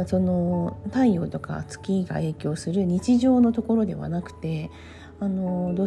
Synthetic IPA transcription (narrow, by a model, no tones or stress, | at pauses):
so̞no̞t̪aio̞̰ːt̪o̞ka̰t͡sɨ̥kʲiɡa̰e̞ːkʲo̞ːsɨɾɯ̟ɲ̟it͡ɕiʑo̞ːno̞t̪o̞ko̞ɾo̞d̪e̞̰βa̰nakɯ̟̥t̪e̞ | ano̞d̪oː